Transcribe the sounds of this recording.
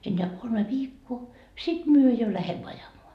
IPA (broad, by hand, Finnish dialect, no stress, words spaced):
enːeæ kolme ʋiːkːoː sit myø jo læhemːø ɑjɑmoɑ